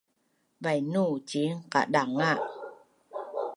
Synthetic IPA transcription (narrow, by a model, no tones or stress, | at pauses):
bajnut͡ɕiŋka̰daŋaʔ